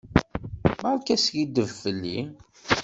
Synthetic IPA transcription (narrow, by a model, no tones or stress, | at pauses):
mæʁˤkːæsʝid̪əvfəlːi